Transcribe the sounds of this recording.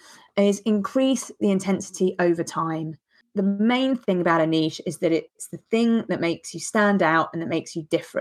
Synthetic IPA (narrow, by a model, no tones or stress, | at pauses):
ɪzɪ̃nkʰɹ̥iˑsðiɪ̃ntʰɛ̃nsɪ̥tʰiʔəʊvətʰãɪ̃m | ðəmẽɪ̃nθɪ̃ŋəbaʊɾəniˑʃɪzðəɾɪtsðəθɪ̃ŋðəʔmeɪksjəstãndaʊtə̃nðəʔmeɪksjədɪfɹə̰̃n